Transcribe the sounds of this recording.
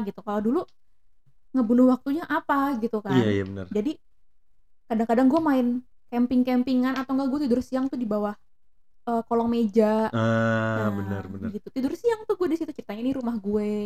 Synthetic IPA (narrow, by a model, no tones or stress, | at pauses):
ɡit̪ukaladulu | ŋəbunʊhwak̚t̪uɲaʔapaɡit̪ukaaja̰bənə̰rd͡ʒadi | kadaŋkadaŋɡuɛmaɪn | kɛmpɪŋkɛmpiŋanat̪awŋɡaɡuɛt̪idʊrsiaŋt̪ʊhdibawah | əːkolɔŋmed͡ʒaabənə̰rbənəɡit̪ut̪idʊrsiaŋt̪ʊhɡuedisit̪ut͡ʃəɾit̪aɲainiɾumahɡue